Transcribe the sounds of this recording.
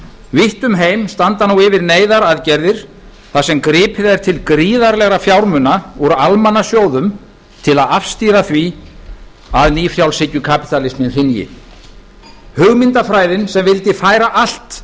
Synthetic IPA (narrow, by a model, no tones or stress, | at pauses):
vɪht̪ʏmɦeːjmst̪ant̪anuwɪvɪɾneːjðaɾaðcɛɾðɪɾ̥ | θasɛmkɾɪːpʰɪðaɾ̥t̪ʰɪlkɾiːðaɾlɛɣɾafjawɾmʏnauɾalmanːasjoːwðʏm | t̪ʰɪlaðafst̪iːɾaθvi | aðniːfɾjawlsɪcːʏkʰapi̥t̪alɪsmɪnr̥ɪnjɪ̰ | hʏɣmɪnt̪afɾaːjðɪnsɛmvɪlt̪ɪfaːjɾaʔal̥t̪